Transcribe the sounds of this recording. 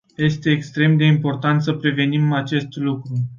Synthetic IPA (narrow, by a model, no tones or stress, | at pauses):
je̞st̪e̞ːkst̪ɾe̞md̪e̞impo̞rt̪ant̪səpɾe̞ve̞nimat͡ʃe̞st̪lukɾu